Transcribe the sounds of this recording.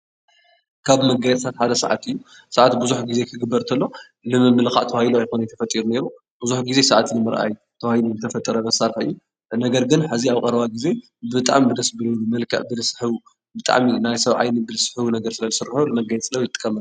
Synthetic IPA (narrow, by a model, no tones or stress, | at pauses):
kʰaβmɐɡajɛt̪ʼsʰat̪ħad̪ɐsɐ̰ʕa̰t̪ɨjːu | sɐʕat̪buzuħɡize̞kʰɨɡɨbːɐɾt̪ʰɐlːo | lɨmɨmːɨlka̰ʔt̪ʰɐwahjiluajxonjɪt̪ʰɐfɐt̪ʼiɾune̞ɾu | b̥uzuħɡize̞saʕat̪nɨmɨɾʔa̰jt̪ʰɐwahiluzɨt̪ʰɐfɐt̪ʼːɐɾɐlɐsaɾħɐɨjːu | nɐɡɐɾɡɨnħɨziaβkʼɐɾɐβaɡize̞ | bɨt̪ʼa̰ʕmbɨd̪ɐsbɨlunɨmɐlkʰɐ̰ʔbɨlɨsɨ̥ħɨβu | bɨt̪ʼa̰ʕminajsɐβʕa̰jnibɨlɨsɨ̥ħɨwunɐɡɐɾsɨlɐzɨsɨɾːɨħulɨmɐɡajɛt̪t͡sʼɨlːɐwjɪt̪ʼɨ̥kʼːɐmːɐl